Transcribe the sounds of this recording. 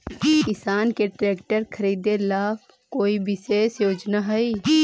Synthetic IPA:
kɪsaːnkeʈɾeːk̚ʈəɾkʰəɾiːd̪elaːb | koːiʋɪseːsjoːd͡ʒnaɦɛi

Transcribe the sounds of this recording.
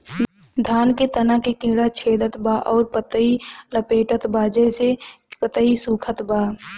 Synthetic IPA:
d̪ʱaːnket̪ənakekɪ̃ːɽat͡ʃʰeːd̪ət̪baːʔɔːɾpət̪əiləpeːʈət̪baːd͡ʒɛse | pət̪əisuːkʰət̪baː

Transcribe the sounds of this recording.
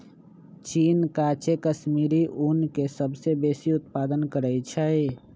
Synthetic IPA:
t͡ʃiːnkat͡ʃekəʃmiːɾiʔunkesəbsebeːsiʊt̪paːd̪ənkəɾəit͡ʃʰɛe

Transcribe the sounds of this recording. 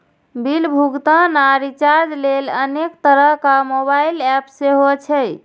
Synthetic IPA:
bilbʱuɡt̪ənaɾit͡ʃaɾd͡ʒlelənekt̪əɾəɦkamobailɛpseɦot͡ʃʰɛj

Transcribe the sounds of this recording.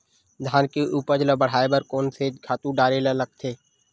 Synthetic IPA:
d̪ʱaːnkeʔuːpəɾd͡ʒləbəɽ̤aːebəɾkoːnsekʰaːt̪ũɖaːɾelaləɡ̚t̪ʰeː

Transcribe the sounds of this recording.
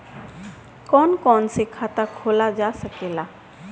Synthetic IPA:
kɔːnkɔːnsekʰat̪akʰoːlad͡ʒaːsəkeːlaː

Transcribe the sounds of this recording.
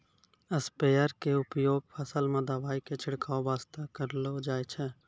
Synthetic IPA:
əspeːəɾkeʊpjoːɡ̚pʰəsəlmãd̪aːʋaːiket͡ʃʰɪɽkaːobaːst̪akəɾlod͡ʒaːet͡ʃʰɛ

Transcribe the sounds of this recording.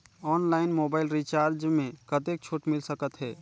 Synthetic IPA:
ɔːnlaːɪnmoːbaːɪlɾit͡ʃaːɾd͡ʒmẽkət̪ek̚t͡ʃʰoːʈmɪlsəkət̪ɦɛː

